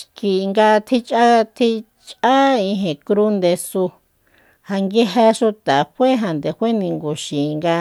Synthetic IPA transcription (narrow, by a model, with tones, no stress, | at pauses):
ki˧ŋɡa˧t̪ʰi˧t͡ʃʼa˦t̪ʰi˧ | t͡ʃʼa˦ĩ˧ɦẽ˨kɾu˦nd̪e˧su˧ | ha˧ŋɡe˦ɦa˧ʃu˧t̪a˨ɸʷe˦ɦã˨nd̪e˨hʷe˦nĩ˧ŋɡu˨ʃĩ˨˧ŋɡa˧